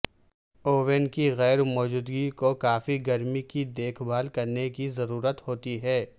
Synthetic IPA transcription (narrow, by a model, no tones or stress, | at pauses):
oːʋɛnkiɣɛːɾmɔːd͡ʒuːd̪ɡikokaːfiɡɐɾmikid̪eːkʰbaːlkɐɾnekizɐɾuːɾət̪hoːt̪iɦɛː